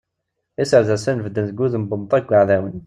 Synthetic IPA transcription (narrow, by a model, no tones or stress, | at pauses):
isəɾðæsænvəd̪ːənθɡuðəmbənt̪ˤæɡʷːəʕðæwən